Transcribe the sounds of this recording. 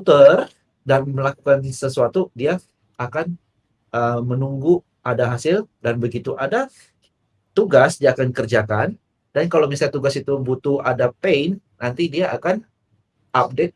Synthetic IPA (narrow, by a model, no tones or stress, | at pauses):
t̪ər | danməlakukansəsuat̪udiaː | kan | ʔəmənuŋɡu | ʔadaɦasɪldanbəɡit̪uʔada | t̪uɡasdiaːkankərd͡ʒakan | dankalomisaɲat̪uɡasit̪ubut̪uadapeɪnːant̪idiaʔakan | ʔap̚det̪̚